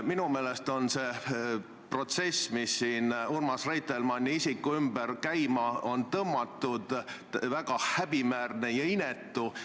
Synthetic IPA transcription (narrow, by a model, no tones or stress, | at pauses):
minume̞ːlest̪o̞nse̞ː | pro̞t̪se̞smisːiːnurmɑsrejt̪elmɑnʲːiisikːuymb̥erkæjmɑo̞nt̪ɤmːɑt̪ːˑud̪̥ | væɡ̥ɑhæb̥imæːrnejɑinet̪ːˑu